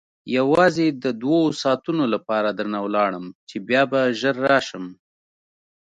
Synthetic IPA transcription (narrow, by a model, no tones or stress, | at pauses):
jawɑzed̪əd̪wawosɑt̪unolapɑɾad̪əɾnawlɑɽəmt͡ʃebjɑbaʒəɾːɑʃəm